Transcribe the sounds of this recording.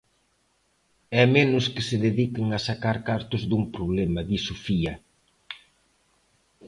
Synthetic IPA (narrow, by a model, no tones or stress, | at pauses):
ɛmenʊskɪsɪðeðikɪŋɐsakaɾkaɾt̪ʊzðumpɾoβlɛmɐðisofiɐ